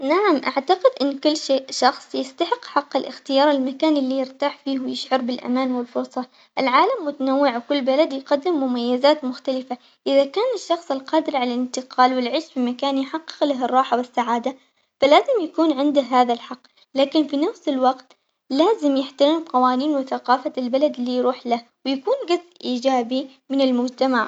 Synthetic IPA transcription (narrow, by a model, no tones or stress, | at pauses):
naʕamʔaʕt̪aqɪd̪ʔɪnːkʊlːʃeːʔʃɑxsˤjɪst̪aħɪqːħɑqːɪlʔɪxt̪ɪjɑːɾˤɪlmakaːnʔɪlːijɪɾt̪aːħfiːhwɪjɪʃʕʊɾˤbɪlʔa̰maːnwɪlfʊɾsˤɑ | ʔɪlʕaːlamːʊt̪anawːɪʕwkʊlːbalad̪jqad̪ːɪmːʊmajːɪzaːt̪mʊxt̪alɪfa | ʔɪðakaːnɪʃːɑxsˤɪlqɑːd̪ɪɾʕalalɪnt̪ɪqʰɑːlwɪlʕeːʃfimakaːnjħɑqːɪ̥qlaɦɨrˤːɑːħawɪsːaʕaːd̪a | falaːzɪmjakuːnʕɪnd̪ɪɦaːðalħɑqː | laːkɪnfinafsɪlwɑqt̪ | laːzɪmjɪħt̪aɾɪmqɑwaːniːnwɪθaqɑːfalbalad̪lːijɾuːħlah | wɪjakuːnɡasʔiːd͡ʒaːbi | mɪnɪlmʊd͡ʒt̪amaʕ